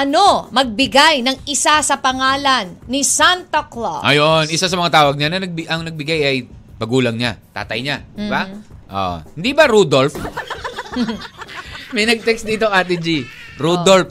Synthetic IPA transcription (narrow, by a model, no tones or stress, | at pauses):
ʔɐno̞mɐɡ̚bɪɡajnɐŋʔɪsasɐpɐŋaːlɐnːisant̪okloʔɐjonʔɪsasɐmɐŋat̪aːwɐɡ̚ɲanɐnɐɡ̚bɪʔɐŋnɐɡ̚bɪɡajɐjpɐɡuːlɐŋɲat̪a̰ːt̪ɐjɲad̪ɪbaʔo̰hɪnd̪ibɐɾud̪olf | mɐjnɐɡ̚t̪ɛksd̪iːt̪oŋʔaːt̪̬ɪd͡ʒi | ɾud̪olf